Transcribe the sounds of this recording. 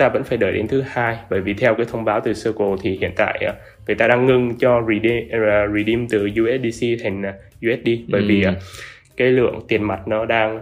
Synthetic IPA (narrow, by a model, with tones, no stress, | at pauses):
t̪aː˧və̰˧˥nfaː˧˩jɗəː˨˩jɗe˧nt̪ʰɨ˨˦haː˧jɓəː˧˩jvi˨˩t̪ʰɛ˧wkaː˨˦jt̪ʰə˧wŋ͡mɓaː˨˦wt̪ɨ˨˩səː˧ko˨˩t̪ʰi˨˩hḭ˧˨ənt̪a̰ː˧˨jʔ | ŋɨ˨˩əjt̪aː˧ɗaː˧ŋːɨ˧ŋt͡ɕɔ˧zi˨˧˩ɗɹi˨˩ɗi˧mt̪ɨ˨˩zu˧ʔɛ˦˥t̚ɗi˧si˧t̪ʰa˨˩ŋ̟ː˨˩ | zu˧ʔɛ˦˥t̚ɗi˧ɓə̰ː˧˩jvi˨˩ʔ | kaː˨˦jlɨ̰˧˨əŋt̪i˨˩ənma˨˩t̚nɔ˨˦ɗaː˧ŋ